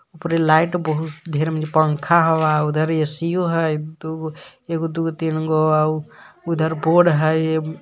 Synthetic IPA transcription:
upɾelaɪʈbəɦut̪d̪ʱeɾeməd͡ʒepəŋkʰaɦɔʋaud̪ʱəɾesijoɦəjd̪uekod̪uɡt̪inɡoaud̪ʱəɾboːɽɦəj

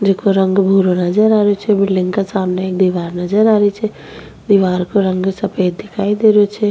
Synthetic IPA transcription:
d͡ʒekoɾə̃ŋɡbʱuːɾonəd͡ʒəɾaːɾot͡ʃʰɛbɪlɖɪ̃ŋɡkasaːmneeːk̚d̪iʋaːɾnɐd͡ʒəɾaːɾit͡ʃʰɛ | d̪iʋaːɾkoɾə̃ŋɡsɐpʰeːt̪̚d̪ɪkʰaːid̪eɾjot͡ʃʰɛ

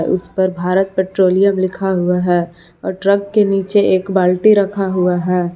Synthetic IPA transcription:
ʔʊ̰spɐɾbʱaːɾət̪̚peːʈɾoːlijəmlɪkʰaɦuaɦɛː | ɔ̰ːɾʈɾɐɡ̚keniːt͡ʃeʔeːkbaːlʈiɾɐkʰaɦuaɦɛː

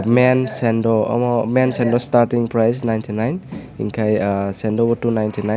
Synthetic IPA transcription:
mensendɔ̰mɔmensendɔstaɾtiŋpɾajsnajntʰinajnḭŋkʰajsendɔbɔtunajntʰina

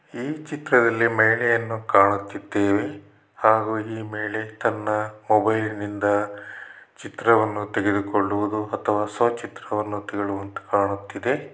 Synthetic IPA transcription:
iːt͡ʃit̪ɾɐd̪ɐlːimɛːɭɛjɐnːukaːɳut̪ːid̪ːeːʋe̞ | haːɡuiːmeːɭe̞t̪ɐnːɐmɔbɐjlnind̪ɐ | t͡ʃit̪ɾɐʋɐnːut̪eɡed̪ukoɭːuʋud̪uɐt̪ʰɐʋaːsɐːt͡ʃit̪ɾɐʋɐnːut̪eɡeɭuʋɐnt̪u̥kaːɳut̪ːid̪e̞

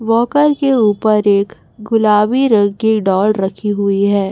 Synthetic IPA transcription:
ʋɔːkəɾkeuːpəɾeːk | ɡʊlaːbiɾɐɡɡiɖɔːlɾɐkʰiɦʊiɦɛː

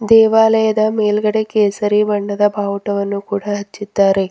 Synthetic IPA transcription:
d̪ɛːʋaːleːd̪aːmeːlɡɐɽekeːsɐɾibɐɳɖɐd̪ɐbʱaːwuʈɐʋɐnːukuːɽaːɦɐt͡ʃːit̪ːaːɾe

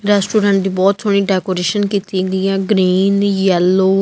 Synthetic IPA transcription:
ɾɛːsʈoːɾə̃ɳʈd̪iːbɔːt̪soɽ̃ĩːɖɛːkoːɾeːʃənkiːt̪iɡəiɛ̃ːɡɾiːnjɛlːoː

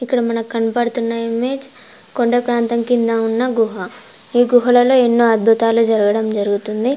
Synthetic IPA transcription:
ikːɐɽɐmɐnɐkɐnpɐɽut̪unːɐime̞ːd͡ʒ | ko̞ɳɖepɾaːnt̪ɐŋkind̪aunːɐɡuɦɐ | iːɡuɦɐlɐloːenːoːɐd̪̚bʱut̪aːlud͡ʒɐɾɐɡɐɽɐmd͡ʒɐɾuɡut̪und̪i

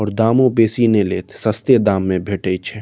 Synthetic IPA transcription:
ɔːɾd̪aːmõpeːsineleːt̪ʰsɐst̪ed̪aːmːẽbʱeːʈeit͡ʃʰɛː

